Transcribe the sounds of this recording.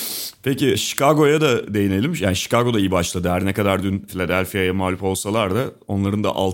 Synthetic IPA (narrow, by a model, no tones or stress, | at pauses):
pʰeciʃi̥kʰaɡo̞jad̪ad̪e̞jinelʲimʃjaːniʃi̥kʰaɡo̞d̪aijibaʃlˠad̪ɯɦæɾnɛkad̪aɾd̪ynfilʲad̪ælʲfijajamahlʲupo̞lˠsalˠaɾd̪ao̞nlˠaɾɯnd̪a̰ʔa̰lˠ